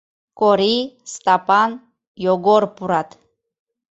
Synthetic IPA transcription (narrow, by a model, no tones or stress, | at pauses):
kɔɾist̪apʼan | jɔɡɔɾpuɾat̪ʰ